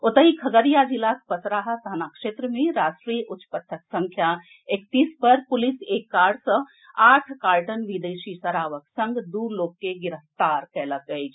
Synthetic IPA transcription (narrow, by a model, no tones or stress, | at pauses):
ot̪əɦikʰəɡəɾijad͡ʒilakpətɾaːɦət̪ʰanakʂeːt̪ɾəmẽɾaːsʈɾijəʔʊt̪t͡ʃːpət̪ʰːəksɐ̃ŋkʰja | ekt̪iːspəɾpʊliseːkːaːɽsə̃ | aːʈʰkaːɾʈənʋid̪eːʃisɐɾaːʋəksə̃ŋɡd̪uːɾloːkːeɡɪɾəft̪aːɾkɛːləkət͡ʃʰ